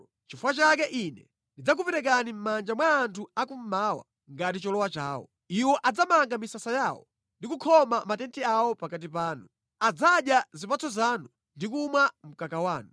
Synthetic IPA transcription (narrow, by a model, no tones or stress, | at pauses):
t͡ʃifuwat͡ʃakɛʔinɛ̰ | ndid͡zak̬upɛɾɛk̬anim̩mand͡ʒamwaːntʰuakum̩mawa̰ | ŋɡat̬it͡ʃɔlɔwat͡ʃaːwɔ̰ | iwɔʔad͡zamaŋɡamisasajaːwɔ̰ | ndikukʰɔmamatɛntʰiawɔpakat̬ipaːnu | ad͡zaɗjazipat͡sʰɔzaːnu | ndik̬umwam̩kakawaːnu